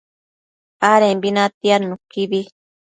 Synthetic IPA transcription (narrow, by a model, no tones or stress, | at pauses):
aɾẽmbinãt̪ianũkiβi